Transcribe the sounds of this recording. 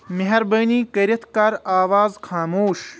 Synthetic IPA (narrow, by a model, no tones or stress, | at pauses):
mɐɦɐɾbɐːniːkɐɾijɐt̪kaːɾaːʋaːzxaːmoːʃ